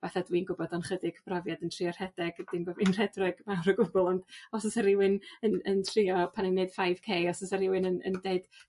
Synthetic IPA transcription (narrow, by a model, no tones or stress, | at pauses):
vaθadwinɡʊbɔdɔnχədɪɡ̥ʰb̥rɔvjadəntʰr̥iɔr̥hɛdɛɡdɪnbovinr̥ɛdrʊɡ̥mawɾəɡʊbʊlˠɔndɔsɔsaɾɪwɪnənəntʰriɔpʰanɛned̥fajv̥kʰeːɔsɔsaɾɪwɪnənə̰ndeɨd̥